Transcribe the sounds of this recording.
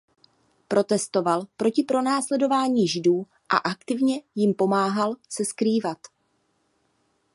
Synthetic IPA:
pɾʔo̞t̪ɛst̪o̞valpɾo̞cɪpɾo̞naːslɛdo̞vaːɲiːʒɪduː | ʔa̰ʔakt̪ɪvɲɛjɪmpo̞maːɦalsɛskɾiːvat̪

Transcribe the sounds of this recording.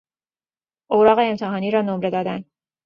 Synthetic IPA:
ʔoɾɒːɣeːmt̪ʰeɦɒːniːɾɒːnomɾe̞d̪ɒːd̪æn

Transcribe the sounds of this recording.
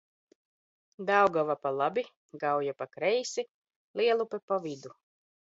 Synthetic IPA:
d̪awɡavapalˠabi | ɡawjapakɾɛjsi | lˠiɛlˠupɛpavid̪u

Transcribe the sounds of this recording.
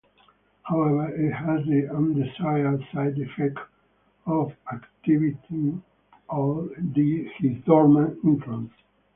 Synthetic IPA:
hawɛvə˞it̪hæzðiə̃nd̪isajəlsajd̪ɛfɛkt | ɔvakt̪ivit̪ʰi | ɔvd̪ihizdɔɹmãɪ̃ɱfluə̃ns

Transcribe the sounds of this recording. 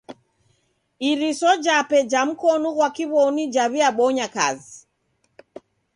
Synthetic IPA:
iɾisɔd͡ʒapɛd͡ʒam̩kɔnuɣwakiβɔnid͡ʒaβiaɓɔɲaka̰zi

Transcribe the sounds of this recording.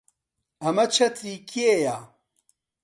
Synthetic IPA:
ɐmɐt͡ʃʰɐt̪ʰiːkʰiejaː

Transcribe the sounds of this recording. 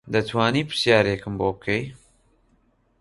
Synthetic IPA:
d̪ɐt̪ʰwaːniːpɨ̥ɾsjaːɾeːkɨmboːbɨkʰej

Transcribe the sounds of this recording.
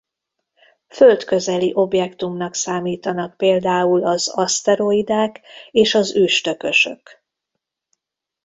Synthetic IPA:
fø̞lt̪kø̞zɛliʔo̞bjɛkt̪umnɒksaːmiːt̪ɒnɒk̚peːld̪aːulɒzɒst̪ɛɾo̞id̪aːkeːʃɒzyːʃt̪ø̞kø̞ʃø̞̰k

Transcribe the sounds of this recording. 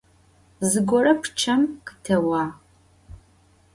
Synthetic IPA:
zɨɡʷɔrɐpʰt͡ʃʰɐmkɨtʰɐwaː

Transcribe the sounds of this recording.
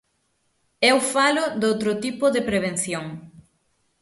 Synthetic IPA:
ɛwfalʊd̪owt̪ɾʊt̪ipʊðepɾeβ̞enθjoŋ

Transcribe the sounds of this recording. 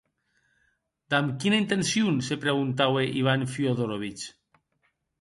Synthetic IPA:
d̪amkinaint̪ensjunsepɾeɣ̞unt̪aweʔiβ̞anfioðoɾoβit͡ʃ

